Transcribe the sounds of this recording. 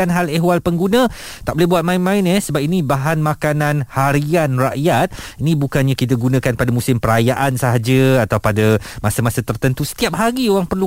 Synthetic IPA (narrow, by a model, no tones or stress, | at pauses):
anɦaləɦwalpəŋɡunə̃ | t̪aʔbolɛhbuat̪̚mãɪnmãɪnɛsəbap̚inĩbaɦanmãkananhaɾianraʔjat̪̚inĩbukanɲãkit̪̬aɡunə̃kanpadamũsɪmpəɾajaʔansəɦad͡ʒəat̪awpadamasamasat̪ərt̪ənt̪usə̥t̪iap̚ɦaɡioɾaŋpərlu